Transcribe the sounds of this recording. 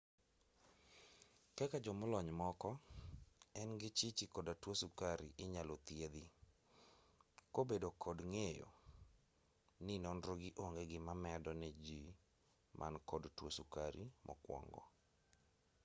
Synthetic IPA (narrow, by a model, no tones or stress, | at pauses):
kɛkad͡ʒɔmʊlɔɲmɔkɔ | ɛnɡɪt͡ʃit͡ʃɪkɔdatwosukaɾiʔɪɲalot̪jed̪i | kobedokʰɔdŋejo̰ | nɪnɔnɾoɡɪʔoŋɡeɡɪmamɛdɔnɛd͡ʒi | mʔa̰nkɔdtwosukaɾḭmʔɔ̰kwɔ̰ŋɡɔ̰